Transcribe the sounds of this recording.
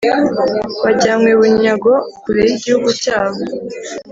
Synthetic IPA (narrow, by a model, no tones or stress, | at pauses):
βaɟaːŋɡweβuɲaɡo̞kuɾeɾiɟihuɡucaːβo